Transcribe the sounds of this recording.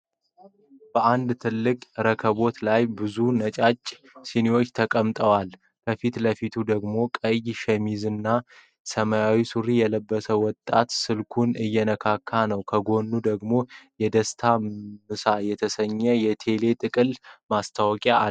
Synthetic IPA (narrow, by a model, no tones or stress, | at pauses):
b̥əʔand̪t̪ʰɨlːɨkʼɾəkʰəβo̞t̪lajbɨzunət͡ʃʼat͡ʃʼː | siniwo̞t͡ʃːt̪ʰəkʼəmt̪ʼəwal | kʰəfit̪ləfit̪ʰud̪əɡmo̞kʼəjʃɛmizɨnːa | səməjawisuɾijɛləbːəsəwɔt̪ʼːa̰t̪sɨlkʰunɨjːɛnəkʰakʰːanəwkʰəɡo̞nːud̪əɡmo̞jɛd̪əst̪ʰamɨsajɛt̪ʰəsəɲːəjɛt̪ʰe̞le̞t̪ʼɨkʼɨlmast̪ʰawkʼa